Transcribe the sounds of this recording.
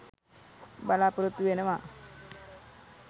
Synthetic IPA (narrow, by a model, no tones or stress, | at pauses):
balapɾut̪ːuenəʋa